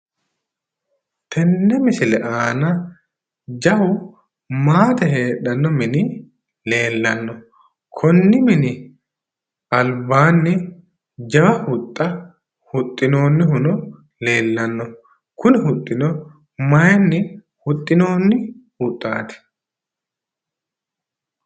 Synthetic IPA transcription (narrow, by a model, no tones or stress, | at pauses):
t̪ʰɛnːɛmɪsɪlɛʔaːnɐ | d͡ʒɐhʊ | maːt̪ɐɦe̞ːɗɐnːɔmɪnɪ | le̞ːlːɐnːɔ | kʰɔnːɪmɪnɪ | ɐlbaːnːɪ | d͡ʒɐwɐhʊt̪ʼːɐ | hʊt̪ʼːɪno̞ːnːɪɦʊnɔ | le̞ːlːɐnːɔ | kʊnɪhʊt̪ʼːɪnɔ | mɐjɛnːɪ | hʊt̪ʼːɪnoːnːɪhʊt̪ʼːaːt̪ɪ̥